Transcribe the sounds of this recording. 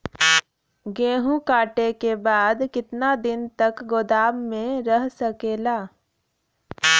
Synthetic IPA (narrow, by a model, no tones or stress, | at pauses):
ɡẽːɦũkaːʈekebaːd̪kɪt̪nad̪ɪnt̪ɐkɡoːd̪aːbmẽɾɐɦsɐkeːlaː